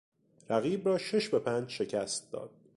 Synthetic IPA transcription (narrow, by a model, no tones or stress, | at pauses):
ɾæɣiːbrɒːʃeʃbe̞pʰænd͡ʒʃe̞cʰæst̪̚d̪ɒ̰ːd̪̥̚